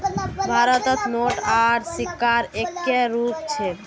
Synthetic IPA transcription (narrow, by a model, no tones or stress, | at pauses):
bʱaɾɔt̪ɔt̪noʈaɾsikːaɾekːeɾup̚t͡ɕʰe